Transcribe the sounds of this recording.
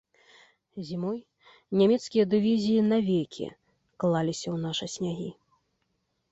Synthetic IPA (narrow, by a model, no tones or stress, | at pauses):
zʲimɔj | nʲamʲɛt̪skʲijɐd̪ɨvʲizʲijinavʲejkʲʰḭ | klˠalʲisʲɐwnaʂɨsʲnʲaɣʲi